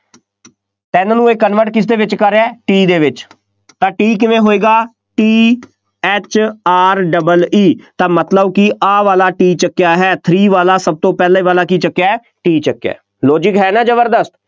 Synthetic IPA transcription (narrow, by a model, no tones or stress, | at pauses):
t̪ɛːnaːnũːeːkːənʋəʈkɪs̬d̪eːʋɪt͡ʃkəɾeɛːʈiːd̪eːʋɪt͡ʃ | t̪ãːʈiːk̬ɪʋẽːɦoːeːɡaː | ʈiː | ɛːt͡ʃaːɾɖəbəliːt̪ãːmət̪ləbkɪʔaːʋaːlaːʈiːt͡ʃəkːjaːɦɛːt̪ʰɾiːʋaːlaːsəb̚t̪õːpɛːlaiːʋaːlaːkiːt͡ʃəkːjaːɦɛː | ʈiːt͡ʃəkːɛ̰ː | lɔːd͡ʒɪkɦɛːnãːd͡ʒəbəɾd̪əst̪